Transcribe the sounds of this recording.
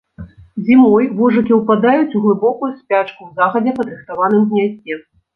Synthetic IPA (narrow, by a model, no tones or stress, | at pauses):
zʲimɔjvɔʐɨkʲiwpad̪ajut͡sʲuɣlˠɨbɔkujusʲpʲat͡ʂkuwzaxɐd͡zʲɛpɐd̪ɾɨxt̪avanɨmɣnʲazʲɛ